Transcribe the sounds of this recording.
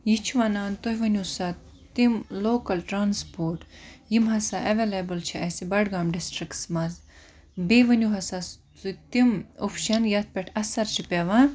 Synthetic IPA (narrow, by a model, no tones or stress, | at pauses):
jit͡ʃʰiʋɐnaːnt̪oɦjʋɐnʲusa | t̪imloːkɐlʈɾaːnspoːɾʈjimɦɐsaʔɐʋeːlebɐlt͡ʃʰiɐsibɐɖɡaːmɖisʈɾiksmɐz | beʋɐnʲuɦɐsas | t̪ut̪imopʰʃɐnjɐt̪̚ʰpʲɐʈʰɐsɐɾt͡ʃʰipʲeʋã